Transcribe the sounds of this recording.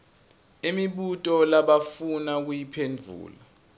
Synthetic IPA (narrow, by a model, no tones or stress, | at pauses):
imiɓutʼɔlaɓafunak̬ujipʰend͡vʱṵːla